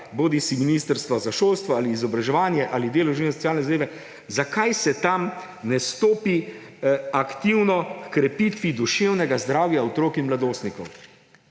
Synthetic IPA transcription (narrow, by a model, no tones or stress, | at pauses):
boːd̪isiminiːst̪əɾst̪ʋɔzaʃoːlst̪ʋɔaːliːzɔbɾaʒɛʋaːnjɛʔalid̪eːlɔwʒinɛs̬ɔ̥t͡s̪jaːlnɛzad̪eːʋɛ | zakajsɛt̪am | nɛst̪oːpi | akt̪iwnɔkkɾɛpit̪ʋid̪uʃeːwnɛɡazd̪ɾaːwjaɔt̪ɾoːkinmlad̪oːst̪nikɔw